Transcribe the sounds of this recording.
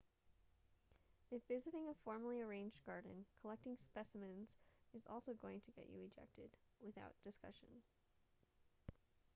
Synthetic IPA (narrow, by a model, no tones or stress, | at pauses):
ɨfvɪzɨɾɪ̃ŋəfɔɹməl̩ˠiə˞ẽɪ̃nd͡ʒɡɑɹdⁿn̩kʰəlɛk̚tɪ̃ŋspɛsəmɨ̃nz̥ɨzɔ̰lˠsoʊɡoʊɪ̃ŋtʰɨɡɛ̰t͡ʃɨ̰ɨd͡ʒɛ̰k̚tɨd̚wɨθa̰ʊt̚d̥ɨskʌ̰ʃɨ̰̃n